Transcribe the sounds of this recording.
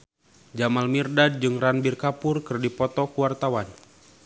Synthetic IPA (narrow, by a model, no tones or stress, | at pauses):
d͡ʒamalmirdad̚d͡ʒɨŋranbirkapʊrkɨrdipɔt̪ɔkuwart̪awan